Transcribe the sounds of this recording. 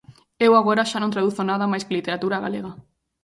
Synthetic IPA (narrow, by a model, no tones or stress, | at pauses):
ewaɣoɾaʃanõnt̪ɾaðuθonaðamajsklit̪eɾat̪uɾaɣa̰leɣa